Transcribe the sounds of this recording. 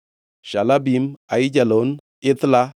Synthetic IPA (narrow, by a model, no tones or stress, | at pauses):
ʃalabimaɪt͡ʃalon | ɪt̪la